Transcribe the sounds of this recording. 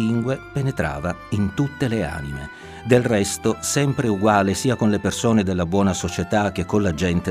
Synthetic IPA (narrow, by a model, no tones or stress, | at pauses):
iŋɡwepenet̪ɾa̰ːvaint̪ut̪ːelea̰ːnimḛ | d̪elrɛst̪osɛmpɾeuɡwaːlesiːakonlepersoːned̪elːabwɔːnasot͡ʃet̪ak̟ːekːonlad͡ʒɛnt̪e